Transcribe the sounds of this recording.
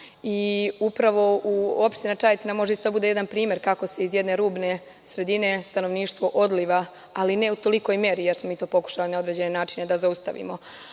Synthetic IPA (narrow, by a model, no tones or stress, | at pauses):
iupɾaʋo̞uopʃt̪inat͡ʃajet̪inamo̞ʒeised̪abud̪e̞jeanpɾiːmje̞ɾkako̞se̞izjed̪ne̞ɾuːbne̞ | sɾe̞d̪ine̞st̪anoʋniːʃt̪ʋo̞ʔo̞d̪liʋa | aline̞ut̪o̞liko̞jmje̞ɾijeɾsmomiːt̪oːpo̞ku̥ʃalinao̞d̪ɾe̞d͡ʑe̞ne̞naːt͡ʃine̞d̪azaust̪a̰ʋḭmo̞